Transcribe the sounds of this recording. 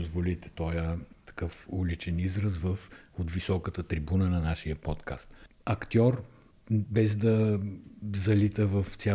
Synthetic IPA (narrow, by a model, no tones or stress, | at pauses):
ozvolit̪ɛ̥t̪ɔjət̪ɐ̥kɤfulʲit͡ʃɛnizɾəzvəfot̪visɔkət̪ət̪ɾibunənɐnaʃijəpɔt̪ka̰st̪ | ɐkt̪ʲɔɾ | bɛzd̪ɐ | zɐlit̪əvəft̪sʲa